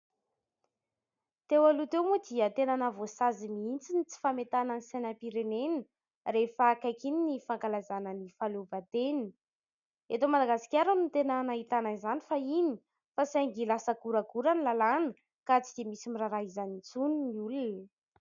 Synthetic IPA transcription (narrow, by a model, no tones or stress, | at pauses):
t̪ewalut̪ewmud̪iət̪enanavosazimiint͡sinit͡si̥famet̪anənisanəpiɾenenə | refaːkakininifaŋkalazanənifaluvat̪eni̥ | et̪omad̪aɡasi̥kʲaɾunit̪enanaɦit̪ananizanifaini̥ | fasaŋɡilasəɡuɾaɡuɾanilalanə | kat͡sid̪emisimiɾaɾaɦizanit͡suniniulun